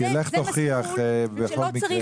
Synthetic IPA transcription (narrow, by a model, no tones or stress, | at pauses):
ieleχt̪oχiaχbeχolmie